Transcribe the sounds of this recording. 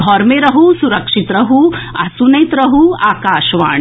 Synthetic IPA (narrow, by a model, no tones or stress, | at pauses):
d̪ʱɔːɾmeɾɐɦusuɾɐkʂit̪ɾɐɦuɐsunɐjt̪ɾɐɦuaːkaːʃʋa̰ːɳ